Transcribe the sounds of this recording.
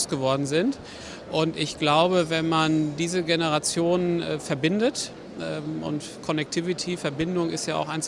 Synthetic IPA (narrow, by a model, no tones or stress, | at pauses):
sɡ̥əvɔɐdn̩zɪnt | ʔʊntɪçɡ̥laʊbəvɛnmandiːzəɡenəʁat͡sjoːnənʔfɛɐbɪndət | ʔɛmʔʊ̰nt | kʰɔnɛk̚tʰivitʰifɛɐbɪndʊŋɪstjaːa̰ʊxaɪn